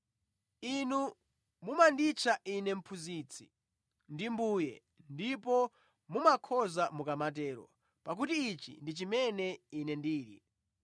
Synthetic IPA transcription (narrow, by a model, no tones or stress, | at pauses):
inu | mumandit͡ʃʰaʔinɛm̩pʰuzit͡sʰi̥̰ | ndimbuːjɛ̰ | ndipɔ | mumakʰɔzamukamat̬ɛːɾɔ̰ | pak̬utiːt͡ʃḭndit͡ʃimɛnɛinɛndiːɾḭ